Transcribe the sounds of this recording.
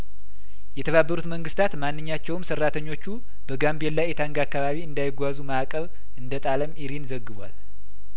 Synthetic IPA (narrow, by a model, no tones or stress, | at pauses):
jɛt̪ʰəβabːəɾut̪məŋɡɨst̪ʰat̪manːɨɲːat͡ʃːɛwɨmsərːat̪ʰəɲːo̞t͡ʃːu | bəɡambelːajɛt̪ʰaŋɡakːaβaβiɨnd̪ajɪɡʷazumaakʼəβ | ʔɨnd̪ət̪ʼaləmiɾinzəɡːɨβʷa̰l